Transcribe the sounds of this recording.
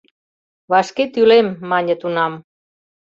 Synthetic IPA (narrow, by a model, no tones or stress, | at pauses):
βɑʃket̪ylemːɑnʲə̆t̪unɑm